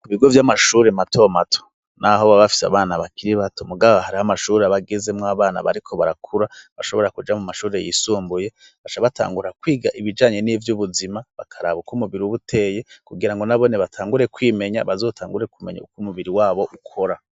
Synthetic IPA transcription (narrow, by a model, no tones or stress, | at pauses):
kuβiɡo̞vjamaʃuːɾe̞matʰo̞matʰo̥ | naɦoβaβafi̥sea̰βaːnaβakiɾiβatomuɡaβoβahaɾihamaʃuːɾeaβaɡeze̞mŋaβaːna̰βaɾikʰo̞βaɾakʰuɾaβaʃo̞βo̞ɾakud͡ʒamumaʃuːɾe̞jḭsuːmbuje̞ | βaʃaβatʰa̰ːŋɡuɾakwiːɡaʔiβid͡ʒaːɲe̞nivjuβuzimaβa̰kʰaɾaβukumuβiɾiwuβutʰe̞je̞kuɡiɾaŋɡo̞naβo̞neβatʰaːŋɡuɾe̞kwiːme̞ɲaβazo̞ːtʰaːŋɡuɾe̞kume̞ɲa̰ukumuβiɾiwaːβo̞ʔukʰo̞ɾa